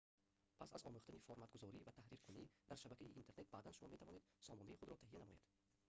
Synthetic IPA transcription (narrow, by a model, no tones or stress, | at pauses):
pʰasa̰zɔ̰muχt̪anifoɾmat̪̚ɡuzɔɾivat̪ʰahɾiɾkʰunid̪aɾʃabakʰaiʔːnt̪ʰe̞ɾne̞t̪̚baːd̪anʃumɔme̞t̪ʰavɔned̪sɔmɔnaiχud̪ɾɔt̪ʰahijanamɔjed̪̥